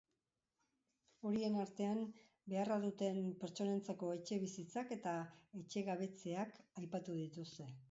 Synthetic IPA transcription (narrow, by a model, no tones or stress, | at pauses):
o̞ɾie̞naɾt̪e̞am | be̞arað̞ut̪e̞mpe̞ɾt͡ʃo̞ne̞nt͡sako̞e̞t͡ʃe̞β̞isit͡sake̞t̪ae̞t͡ʃe̞ɣaβ̞e̞t͡se̞akajpat̪uð̞it̪ust̪e̞